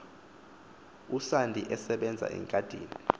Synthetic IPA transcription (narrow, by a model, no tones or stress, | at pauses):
usandʼʱiʔɛsɛɓɛnd͡zʱa̰ʔɛ̰ŋkʼad̥ʱiːni